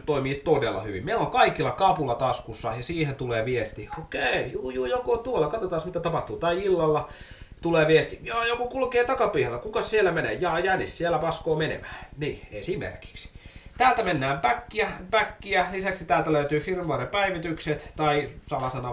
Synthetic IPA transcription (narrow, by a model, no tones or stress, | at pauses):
t̪oimiːt̪odelːɑ̰hyʋḭmmeiloŋkɑikilːɑkɑpulːˑɑt̪ɑskusːɑjɑsiːhent̪uleːʋiest̪iokeijuːjuːjokot̪uolːɑkɑt̪ot̪ɑːsmit̪æt̪ɑpɑht̪uːt̪ɑiilːɑlːɑ | t̪uleːʋiest̪ijɑːjokokulkeːt̪ɑkɑpiːhelːækukɑssielːæmenḛːjɑːjænissielːæpɑskoːmenḛmæ̥ːniːeisiːmmḛrki̥ksi̥t̪æːlt̪æmenːæːmpækːiæpækːiælisæksit̪æːlt̪æløyt̪yːfirnʋuɑrepæiʋit̪ykset̪t̪ɑisɑmɑsɑnɑ